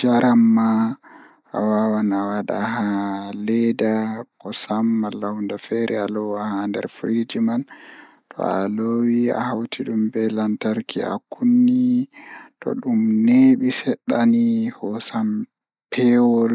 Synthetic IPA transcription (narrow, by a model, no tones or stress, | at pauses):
d͡ʒaɾamːa | ʔa̰wawanawaɗa̰halɛdakɔsamːalawndafɛɾʔɛalɔwahandɛ̰ɾfɾid͡ʒiman | tʰɔ̰a̰lowia̰hawtʰiɗumbɛlantaɾkʰḭa̰kunːi | tɔ̰ɗumneɓisɛɗːanihɔsam | pʰɛwɔl